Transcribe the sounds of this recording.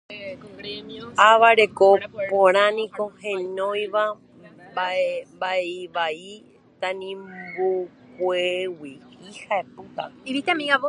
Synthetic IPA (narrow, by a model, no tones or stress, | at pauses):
aʋaɾe̞ko̞põɾ̃ãnĩko̞hẽɲõjʋa | baembaeiβai | t̪anĩmbu | kʷewiihaeput̪a̰iʋit̪eamĩao